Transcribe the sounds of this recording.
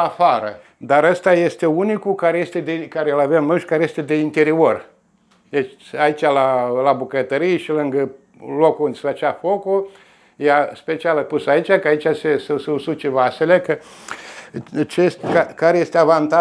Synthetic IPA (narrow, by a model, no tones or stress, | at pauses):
afaɾə | d̪aɾəst̪aje̞st̪e̞unikukaɾejest̪ed̪ekaɾeɨlavemnojʃkaɾeje̞st̪e̞d̪e̞int̪e̞ɾior | d̪et͡ʃait͡ʃʲalalabukət̪əɾijʃilɨŋɡə | lokuund̪ʲsfət͡ʃafoko | jaspe̞t͡ʃialapusait͡ʃʲakəait͡ʃʲasesessut͡ʃevase̞lekə | t͡ʃest̪kakaɾeje̞st̪eavant̪a